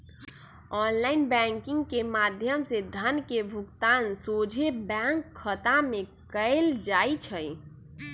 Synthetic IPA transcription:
ɔːnlaːɪnbɛ̃ŋkɪ̃ŋɡkemad̪ʱjəmsed̪ʱənkebʱʊkt̪aːnsoːd͡ʒʱebɛŋkʰːət̪amẽkəɪld͡ʒaːit͡ʃʰəj

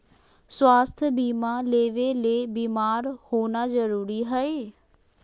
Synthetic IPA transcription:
swaːst̪ʰbiːmaːleːʋeːleːbiːmaːɾhoːnaːzəɾuːɾiːɦəeː

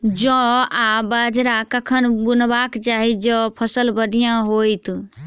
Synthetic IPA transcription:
d͡ʒɔ̃abad͡ʒɾakəkʰənbunbakt͡ʃaɦid͡ʒɔ̃pʰəsəlbəɽijãɦojt̪

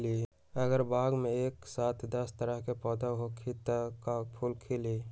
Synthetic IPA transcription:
li | əɡəɾbaːɡmẽeːksaːt̪ʰd̪ɐst̪əɾəɦkepɔːd̪aɦokʰit̪əkapʰulkʰɪli

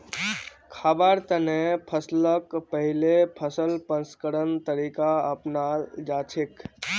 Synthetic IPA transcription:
kʰaːbaɾt̪ənẽpʰəsləkpəɦɪlepʰəsəlpə̃nskəɾənt̪əɾiːkaəpnad͡ʒaːt͡ʃʰek

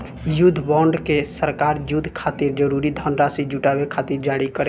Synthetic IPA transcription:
jud̪ʱːbɔ̃ɳɖkesəɾkaɾjud̪ʱkʰat̪iɾd͡ʒəɾuɾid̪ʱənɾasid͡ʒuʈabekʰat̪iɾd͡ʒaɽikəɾe

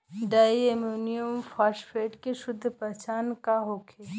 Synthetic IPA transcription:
ɖaːiemonijumfaːʃfeːʈkeʃʊd̪ʱːpɐt͡ʃaːnkaɦoːkʰeː

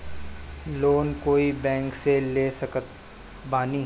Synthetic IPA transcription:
loːnkoːibɛ̃ːŋkseleːsɐkət̪ | baːni

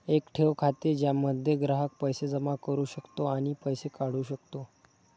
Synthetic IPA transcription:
ekʈʰeʋkʰat̪ed͡ʑjaməd̪ʱjeɡɾaɦək̚pəjsed͡zəmakəɾuːɕəkt̪oaɽ̃ipəjsekaɽ̤uːɕəkt̪o

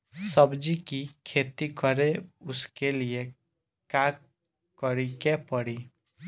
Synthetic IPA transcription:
sʌbd͡ʒikikʰet̪ikɔɾeʊskelie | ka | kɔɾikepɔɽi

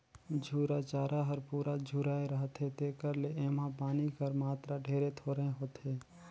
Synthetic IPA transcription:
d͡ʒʱuːɾat͡ʃaːɾaɦəɾpuːɾad͡ʒʱuːɾaːeɾəɦt̪ɦẽt̪ekəɾleeːmãpaːnikəɾmaːt̪ɾaɖʱeːɾet̪ʰoːɾəɦẽɦoːt̪ɦeː

